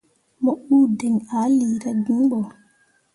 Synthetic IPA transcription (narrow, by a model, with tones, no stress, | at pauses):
moɓuː˦dɛ˨ŋaː˨˦liːɾadi˦nɓɔ˨